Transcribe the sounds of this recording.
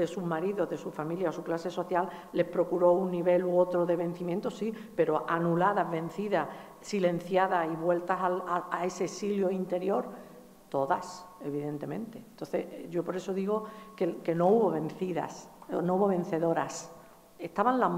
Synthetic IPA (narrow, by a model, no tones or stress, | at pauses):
d̪e̞suɦmaɾiðo̞ðe̞sufamiljaosuklase̞so̞θjalːe̞hpɾo̞kuɾo̞unːiβe̞luo̞t̪ɾo̞ðe̞βe̞n̟θimjent̪o̞sipe̞ɾo̞ʔanulaðaɦβẽ̞n̟θiða | silẽ̞n̟θjaðaiβwe̞lt̪asalaae̞se̞ːsiljoint̪e̞ɾjo̞ɾ | t̪o̞ðase̞βiðe̞nt̪e̞mẽ̞nt̪e̞nt̪o̞nθe̞̰ʝo̞po̞ɾe̞so̞ðiɣo̞keke̞no̞uβo̞βẽ̞nθiða̰snouβo̞βẽ̞n̟θe̞ðo̞ɾas | est̪aβanla